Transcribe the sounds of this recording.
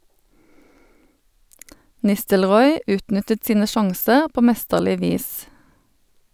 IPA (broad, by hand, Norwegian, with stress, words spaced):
ˈnɪstəlˌʁɔʏ ˈʉːtˌnʏtət ˈsiːnə ˈʃɑŋsəʁ ˈpoː ˈmɛstəʁlɪ ˈʋiːs